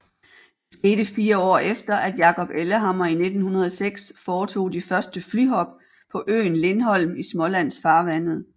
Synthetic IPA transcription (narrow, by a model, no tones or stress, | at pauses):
d̥e̝sɡ̥e̝ːd̥əfiːɐɒ̰ːefd̥ɐʔæd̥jɑ̈kʰɒ̽b̥eləɦɑ̈mɐine̝d̥n̩hunɐð̞ˠɒ̽seɡ̥sfɒːt͡sʰo̝̰ːd̥ifɶɐsd̥əflyɦɒ̽b̥̚ | pʰɒ̽ʔø̰ːnle̝nɦɒ̽l̰mismɒ̽læn̰sfɑ̈ːʋæn̰ð̩ˠ